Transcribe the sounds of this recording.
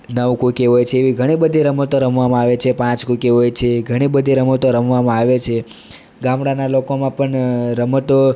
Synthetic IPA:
nəʋkukeɦojt͡ʃʰeːʋiɡʱəɽ̃ibəd̪ʱiɾəmət̪oɾəmʋamãaʋet͡ʃʰepãt͡ʃkukeɦojt͡ʃʰeɡʱəɽ̃ibəd̪ʱiɾəmət̪oɾəmʋamãaʋet͡ʃʰe | ɡãmɽanalokomãpəɳɾəmət̪o

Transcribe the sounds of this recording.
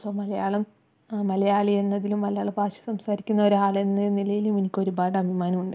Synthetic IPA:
soːmɐlɐjaːɭɐm | mɐlɐjaːɭie̞nːɐðilumːɐlɐjaːɭɐbaːɕɐ̥sɐmsaːɾikʲːunːɐo̞ɾaːɭenːɐnilɐjilumenikʲːo̞ɾubaːɖɐbʱimaːnɐmuɳɖɨ

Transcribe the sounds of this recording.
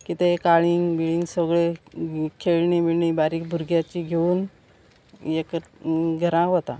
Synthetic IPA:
kit̪ekaɭiŋmiɭiŋɡsəɡɭekʰeɭɳimiɭɳibaɾiːkbʱuɾɡjat͡ɕiːɡʱeuːn | jekɡʱəɾãɦot̪a̰

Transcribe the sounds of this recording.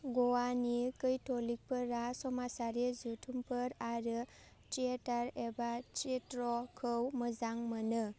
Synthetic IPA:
ɡɔwanikɯjtʰolik̚pʰɯɾasɔmasaɾezutʰumpʰɯɾaɾɯ | tietaɾebatetɾɔkʰɯwmɯzaŋmɯnɯ

